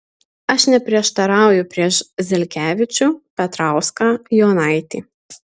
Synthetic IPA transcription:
ɐʃnʲɛpʲɾʲiɛʃt̪ɐɾɑˑʊjʊpʲɾʲiɛʃzʲɛlʲkʲæːʋʲɪt͡ʃʲuːpʲɛt̪ɾɑˑʊskɑjoːnɑˑɪt̪ʲḭː

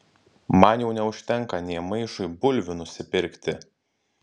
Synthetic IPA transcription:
mɐnjɛʊnʲɛʊʃʲt̪ʲɛŋˑkɐnʲɛːmɐɪʃʊɪbʊlʲʋʲʊnʊsʲɪpʲɪɾʲkʲt̪ʲɪ

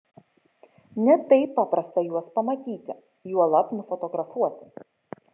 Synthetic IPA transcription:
nʲɛt̪ɐɪpːɑːpɾɐst̪ɐjuɔspɐmɐt̪ʲiːt̪ʲɪ | juɔlˠɐpnʊfɔt̪ɔɡɾɐfuɔt̪ʲɪ

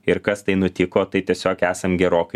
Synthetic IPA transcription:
ɪɾkɐst̪ɐɪnʊt̪ʲɪkoːt̪ɐɪt̪ʲiɛsʲoːkæːsɐmɡʲɛɾoːkɐ

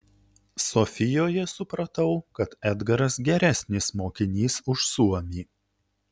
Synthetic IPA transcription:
sɔfʲɪjoːjɛsʊpɾɐt̪ɐʊkɐt̪ɛd̪ɡɐɾɐsɡʲɛɾʲæsʲnʲɪsmoːkʲɪnʲiːsʊʃsuɔmʲiː

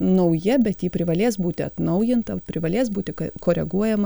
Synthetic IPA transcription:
nɐʊjɛbʲɛt̪jiːpʲɾʲɪʋɐlʲeːs̬buːt̪ʲɪɐt̪nɒʊjɪnt̪ɐpʲɾʲɪʋɐlʲeːsbuːt̪ʲɪkɐkoːɾʲɛɡuɔjɛmɐ

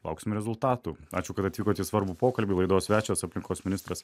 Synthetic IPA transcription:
lˠɐ̰ʊksʲɪmɾʲɛzʊlˠt̪ɑːt̪uːɑːt͡ʃʲʊkɐt̪ɐt̪ʲʋʲiːkoːt̪ʲiːsʋɐɾbupoːkɐlʲbʲiːlˠɐɪd̪oːsʋʲæːt͡ʃʲoːsɐpʲlʲɪŋkoːsmʲɪnʲɪst̪ɾɐs

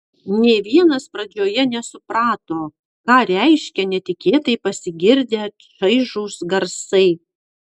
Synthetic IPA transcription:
nʲeːʋʲiɛnɐspɾɐd͡ʒʲoːjɛnʲɛsʊpɾɑːt̪oː | kɑːɾʲɛɪʃʲkʲɛnʲɛt̪ʲɪkʲeːt̪ɐɪpɐsʲɪɡʲɪɾʲd̪ʲeː | ʃɐɪʒuːsɡɐɾsɐɪ

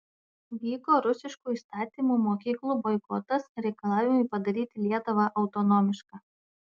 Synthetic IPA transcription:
ʋʲiːkoːɾʊsʲɪʃkuːiːst̪ɑːt̪ʲiːmuːmoːkʲiːklˠuːbɔɪkɔt̪ɐsɾʲɛɪkɐlˠɑːʋʲɪmʊɪpɐd̪ɐɾʲiːt̪ʲɪlʲiɛt̪ʊʋɑʔɐʊt̪ɔnɔːmʲɪʃkaː

